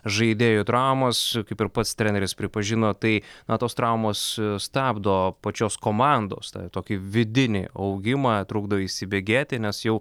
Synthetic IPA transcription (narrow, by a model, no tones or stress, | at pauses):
ʒɐɪd̪ʲeːjot̪ɾɑʊmɐskɐɪpɪɾpɐt̪st̪ʲɾʲɛːnʲɛɾʲɪspʲɾʲɪpɐʒʲɪnoːt̪ɐɪnɐt̪oːst̪ɾɑʊmoːsst̪ʲæːbd̪oːpɐt͡ʃʲoːskoːmɑˑnd̪o̰ːst̪ɐ̰t̪oːkʲɪʋʲɪd̪ʲɪnʲɪ̰ɐʊɡʲɪmɑːt̪ɾuːɡd̪ɐʋoiʃʲsʲɪbʲeːɡʲeːt̪ʲɪnʲɛsjɛʊ